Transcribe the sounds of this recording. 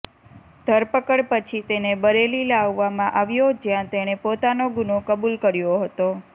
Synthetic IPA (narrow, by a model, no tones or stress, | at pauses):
d̪̥ʱəɾpəkəɽpət͡ʃʰit̪enebəɾelilaʋːamãʔaʋjod͡ʒjãt̪eɽ̃epot̪anoɡunokəbulkəɾjoɦət̪o